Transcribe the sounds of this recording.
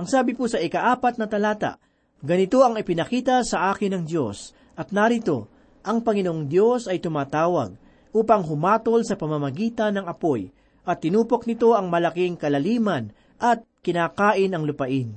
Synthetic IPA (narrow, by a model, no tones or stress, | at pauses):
ʔɐŋsaːbɪpusɐʔɪkɐʔaːpɐt̪̚nɐt̪ɐlaːt̪ɐ̰ʔ | ɡɐnɪt̪o̞ɐŋɪpɪnɐkiːt̪ɐsɐʔaːkɪnɐŋd̪jo̞s | ʔɐt̪̚naɾɪt̪o̞̰ | ʔɐŋpɐŋɪnoʔoŋd̪jo̞sɐjt̪ʊmaːt̪aːwɐ̰ɡ̚ | ʔuːpɐŋɦʊmaːt̪o̞lsɐpɐmɐmɐɡiːt̪ɐnːɐŋɐpo̞j | ʔɐt̪ːɪnuːpo̞k̚nɪt̪o̞ʔɐŋmɐlɐkɪŋkɐlɐliːmɐn | ʔɐt̪̚kɪnaːkaːʔɪnɐŋlʊpɐʔɪn